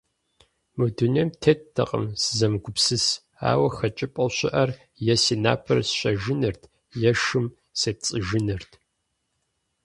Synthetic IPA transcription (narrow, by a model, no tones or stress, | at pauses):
mɨdunemtʰetːʰɐ̰qʼə̰msɨzɐmɡʷʊpsɨs | a̰ːwɐxɐt͡ʃʼɪpʼɐwɕɪʔɐr | jɛsiːna̰ːpʰɐrsɕʼɐʒɪnɨrtʰ | jɛʃɨm | seːp̚t͡sʼɨʒɨnɨrtʰ